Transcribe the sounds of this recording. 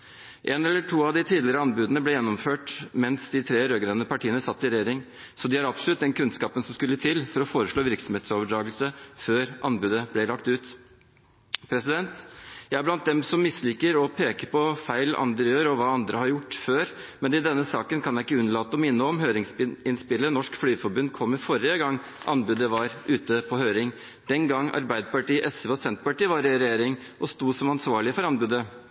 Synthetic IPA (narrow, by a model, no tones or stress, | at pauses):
ʔɛːnɛlːəʈʰuːɑʋd̪ɪt̪ʰiːd̪lɪɾəɑnbʉːd̪nəblɛjɛnːɔmføːʈmɛnsd̪ɪt̪ʰɾeːɾøːɡɾeːnəpʰɑʈʰiːənəsɑt̪ːɪɾɛjeːɾɪŋ | sɔd̪ɪhɑɾɑpsɔlʉt̪̚d̪ɛnkʰʉnskɑːpənsɔmskʉlːət̪ʰɪlfɔɾɔfoːɾəʂɭoːʋɪɾksɔmheːt̪soːʋəɖɾɑːɡəlsəføːɾʔɑnbʉːd̪əblɛlɑkt̪ʉːt̪ | pʰɾɛsɪd̪ɛnt̪jæɪæɾblɑnt̪̚d̪ɛmsɔmːɪslɪkːəɾɔpʰeːkəɾpʰɔfæɪlʔɑ̰nd̪əɾjøːɾɔʋɑːɑnd̪ɾʔəhɑɾjʊʈːføːɾmɛnɪd̪ɛnːəsɑːkənkʰɑnjæɪɪkːəʉnːəɭɑːt̪ːɔmɪnːəɔmɦøːɾɪŋsɪnspɪlːənɔʂkflyːfɔɾbʉnd̪kʰɔmːɪfɔɾɪəɡɑŋː | ʔɑ̰nbʉd̪əʋɑɾʔʉːt̪əpʰɔhøːɾɪŋ | d̪̥ɛnɡɑŋːɑ̰ɾbæɪd̪əpɑʈiːʔɛsəʋɑsɛnt̪pɑʈiːʋɑɾɪɾɛjeːɾɪŋ | ʔɔst̪uːsɔmɑnsʋɑːɭɪəfɔɾɑnbʉːd̪ə